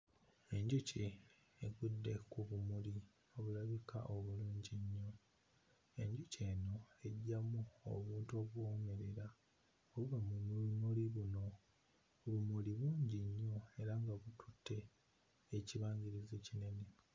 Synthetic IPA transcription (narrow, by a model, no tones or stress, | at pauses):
e̞ɲɟuci | eɡudːe̞kuβumuli | o̞βulaβika̰ʔo̞βuluːɲɟiɲːo̞ | e̞ɲɟuce̞ːno̞e̞ɟːamuo̰βuːnto̞βwome̞ɾe̞ɾa | oβuβamumulunuliβuno̞ | βumuliβuːɲɟiɲːo̞e̞ɾaŋɡaβutʰutʰːe̞ː | ciβaːɲɡiɾize̞cine̞ne